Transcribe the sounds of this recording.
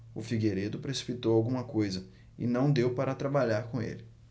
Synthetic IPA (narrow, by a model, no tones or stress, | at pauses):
ʊfiɡeɾed̪ʊpɾesi̥pit̪owawɡũmɐkojzɐ | ɪ̰nɐ̃w̃d̪ewpaɾɐt̪ɾabaʎaɾkõḛlɪ